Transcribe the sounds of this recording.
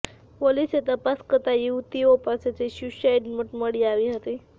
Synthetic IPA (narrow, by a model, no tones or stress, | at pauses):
poliset̪əpaskət̪ajiut̪iopaset͡seɕuɕajɖməʈməɽiaʋiɦət̪i